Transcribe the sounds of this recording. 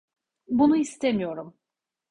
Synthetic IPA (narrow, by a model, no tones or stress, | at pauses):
bunuist̪ʰe̞mijo̞ɾum